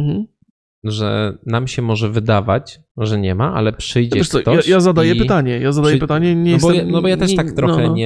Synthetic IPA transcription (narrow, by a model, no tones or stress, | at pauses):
m̩ | ʐɛ̰namɕɛmɔʐɛvɘd̪avat͡ɕ | ʐɛɲɛmaʔa̰lɛpʂɘjd͡ʑɛvɛʂsɔt̪ɔajazad̪ajɛpɘt̪aɲɛjazad̪ajɛpɘt̪aɲɛɲɛjɛsɔanɔbɔjat̪ɛʂt̪akt̪ɾɔxɛɲɛ